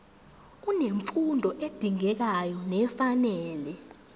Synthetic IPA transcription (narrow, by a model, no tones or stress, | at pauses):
k̬uneɱfundʱɔʔed̥ʱiŋɛk̬ajɔnɛfanɛːlɛ